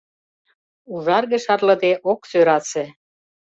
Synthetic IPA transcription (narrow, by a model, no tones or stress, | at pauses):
uʒɑrɣĕʃɑrlɤ̆d̪eʔoksøɾɑse